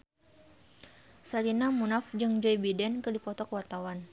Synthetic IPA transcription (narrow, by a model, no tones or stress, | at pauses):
salinamunafd͡ʒɨŋd͡ʒɔjbidɛnkədipɔt̪ɔkəwart̪awan